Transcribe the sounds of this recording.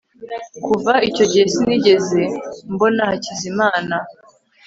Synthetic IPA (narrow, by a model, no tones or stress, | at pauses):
kuvaico̞ɟihesiniɟe̞ze̞mbo̞nahacizimaːna